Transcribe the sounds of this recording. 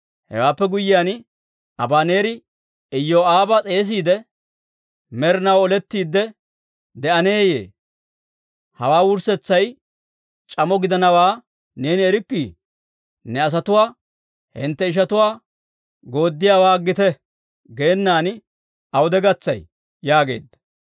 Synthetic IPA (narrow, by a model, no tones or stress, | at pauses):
hɛ̰waːpːɛɡʊjːɪjaːn | ɐbaːne̞ːɾɪ | ɪjːoːaːbɐt͡sʼe̞ːs̬iːd̪ɛ | mɛɾnɐwɔlɛt̪ːiːd̪ːɛ | d̪ɛʔɐne̞ːje̞̰ː | hɐwaːwʊɾsɛt͡sːɐj | t͡ʃʼɐmɔɡɪd̪ɐnɐwaː | ne̞ːnɪɛɾɪkːi | nɛɐs̬ɐt̪ʊwaː | hɪ̰nt̪ːɛɪʃ̬ɐt̪ʊwaː | ɡo̞ːd̪ːɪjaːwaːɡɪt̪ɛ | ɡe̞ːnːaːn | ɐwʊd̪ɛɡɐt͡sːɐj | jaːɡe̞̰ːd̪ːɐ̥